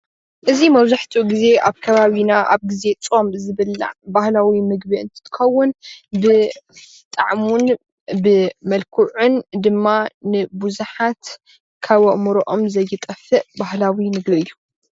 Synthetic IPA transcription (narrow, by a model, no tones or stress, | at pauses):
ʔɨzimɐβzaħt̪ʰuɡize̞ʔaβkʰɐβaβinaʔa̰βɡize̞t͡sʼo̞mzɨβɨlːa̰ʕbahlawimɨɡbiɨ̰nt̪ʰɨ̥t̪ʰɨ̥xɐwːʊnbɨ | t̪ʼa̰ʕmun | bɨmɐlkʰuʕund̪ɨmːanɨbuzuħat̪ | kʰaβoʔmɨɾoʔomzɐjːɨt̪ʼɐfɨʔbahlawimɨɡbiɨjːu